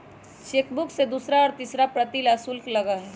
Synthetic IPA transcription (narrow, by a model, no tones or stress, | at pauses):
ʃeːkbʊksed̪uːsɾaɔːɾt̪iːsɾapɾɐt̪ilasulklɐɡaɦɛː